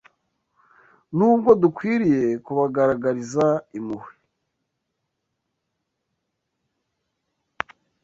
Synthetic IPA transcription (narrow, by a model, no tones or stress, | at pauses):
nuːbɡo̞dukwiːɾije̞kuβaɡaɾaɡaɾizaimuhwi